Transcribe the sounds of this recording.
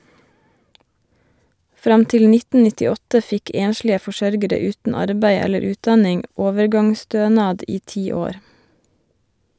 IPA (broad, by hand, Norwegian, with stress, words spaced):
ˈfɾɑm ˈtɪl ˈnɪtn̩ nɪtɪˈɔtə ˈfɪk ˈeːnʃlɪə fɔˈʃœɾɡəɾə ˈʉːtn̩ ˈɑɾbæɪ ˈɛləɾ ˈʉːtˌdɑnɪŋ ˈoːʋəɾˌɡɑŋˌstøːnɑːd ˈiː ˈtiː ˈoːɾ